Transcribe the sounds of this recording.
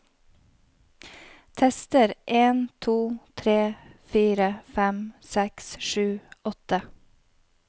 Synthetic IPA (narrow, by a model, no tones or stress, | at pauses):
t̪ʰɛst̪əɾʔeːnt̪ʰuːt̪ʰɾeːfiːɾəfæmsɛksʃʉːɔt̪ə